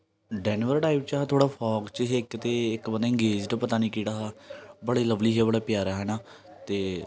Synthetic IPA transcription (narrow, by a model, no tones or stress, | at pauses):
ɖɛːnʋəɾʈaːiːb̚t͡ʃaɦt̪ʰoːɽaːpʰɔːkt͡ʃəɦekt̪eːɪkbəaɪ̃ŋɡeːd͡ʒʈpət̪aːnĩːkiːɽaːɦaːbəɽeːləʋliːɦɛːbəɽaːpɪjaːɾaːɦɛːnaː | t̪eː